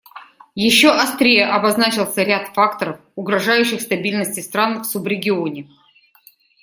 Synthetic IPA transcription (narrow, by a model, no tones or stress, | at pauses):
jɪɕːoʔɐst̪ɾʲejəʔɐbɐznat͡ɕɪlˠsʲəɾʲat̪fakt̪əɾəfʊɡɾɐʐajʉɕːɪxst̪ɐbʲilʲnəsʲtʲɪst̪ɾanfsubɾʲɪɡʲɪonʲɪ